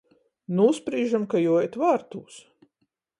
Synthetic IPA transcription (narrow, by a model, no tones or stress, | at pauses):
nuspɾiːʒamkajujɛt̪vaːɾt̪uːs